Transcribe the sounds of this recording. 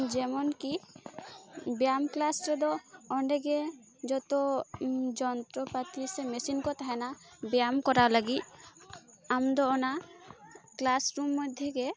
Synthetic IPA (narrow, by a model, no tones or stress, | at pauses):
d͡ʒɛmɔnki | bjamklasɾɛd̪ɔɔɳɖɛɡɛ | d͡ʒɔt̪ɔ | d͡ʒɔnt̪ɾɔpat̪isɛmɛsinkɔt̪aɦɛnabjamkɔɾalaɡit̪̚ | amd̪ɔɔna | klasɾumːɔd̪ʱːjɔɡɛ